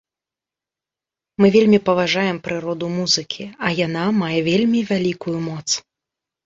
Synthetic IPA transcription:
mɨvʲelʲmʲipɐvaʐajɛmpɾɨɾɔd̪umuzɨkʲʰiɐjanamajɛvʲelʲmʲivʲalʲikujumɔt̪s

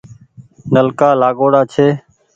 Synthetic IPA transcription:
nəlkaːlaːɡoːɽaːt͡ʃʰeː

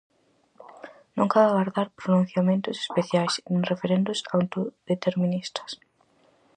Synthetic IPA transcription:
nõŋkaðaɣaɾðaɾpɾonũn̟θjamẽnt̪ʊse̥speθjajsenrefeɾẽnd̪ʊsawnt̪oðet̪eɾmĩnist̪ɐ̥s

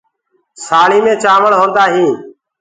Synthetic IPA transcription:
saːɭiːmẽːt͡ʃaːməɭɦõːnd̪aːɦĩː

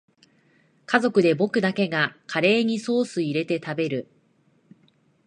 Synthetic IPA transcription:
kazo̞kɯ̟d̪e̞bo̞kɯ̟d̪ake̞ɡakʰaɾe̞ːɲ̟iso̞ːsɨiɾe̞t̪e̞t̪abe̞ɾɯ̟

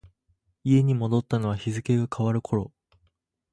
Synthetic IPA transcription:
ie̞ɲ̟imo̞d̪o̞t̪ːano̞β̞açizɨke̞ɡakʰaβaɾɯ̟kʰo̞ɾo̞

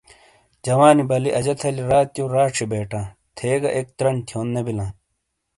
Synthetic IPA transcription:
d͡ʑɐwaːnibɐliʔɐd͡ʑɐt̪ʰɐliɾaːt̪joːɾaːʈ͡ʂʰibeːʈãː | t̪ʰeːɡɐ̰ʔeːk̚t̪ɾɐɳt̪ʰjoːnːɐbilãː

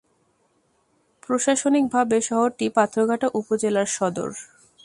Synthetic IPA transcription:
pɾoʃaʃonik̚bʱabeʃɔɦoɾʈipat̪ʰːɾoɡʱaʈaʔupod͡ʑelaɾʃɔd̪o̰ɾ

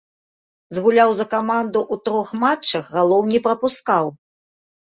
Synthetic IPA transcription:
zɣulʲawzɐkamand̪uʔut̪ɾɔxmat͡ʂːɐxɣalˠɔwnʲipɾɐpuskaw

